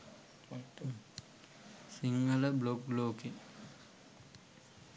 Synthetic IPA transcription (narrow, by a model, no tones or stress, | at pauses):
siŋɡələblok̚bloːkiŋ